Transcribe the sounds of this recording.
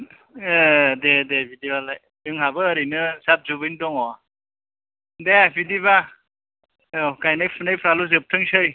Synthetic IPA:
dedebʱidialaj | dɯŋɦabɯːɾinɯsap̚zubɯjndɔŋɔ | debidiβa | ɔkajnajpʰɯnajpʰɾaluzɯp̚tʰɯŋsɯj

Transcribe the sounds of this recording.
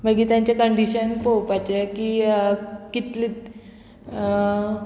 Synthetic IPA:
məɡiːt̪jãɲt͡ɕakəɳɖiɕənpowpat͡ɕekiː | kit̪li

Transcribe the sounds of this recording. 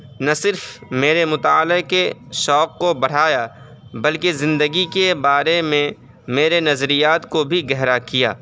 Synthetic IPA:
nɐsɪɾfmeːɾemʊt̪aːlekeʃɔːqːobɐɽ̤aːja | bɐlkezɪ̃nd̪əɡikebaːɾemẽ | meːɾenɐzɾijaːt̪kobʱiɡɛɦɾakija̰ː

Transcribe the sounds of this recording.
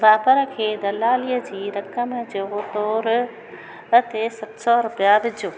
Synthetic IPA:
ʋaːpəɾə̆kʰeːd̪ɐlaːlijəd͡ʑiːɾɐkəmd͡ʑoːt̪ɔːɾ | ɐt̪esɐt̪sɔːɾʊpijaːʋɪd͡ʑʱoː

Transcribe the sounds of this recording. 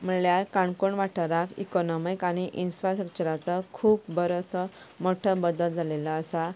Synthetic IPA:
m̤əljaɾkaɳkoɳʋaʈʰəɾakḭkɔnɔmikaɽ̃iʔinfɾasʈɾək̚t͡ɕəɾat͡sɔkʰuːpbəɾosɔ | mɔʈʰəbəd̪əld͡zʱaleləːsa

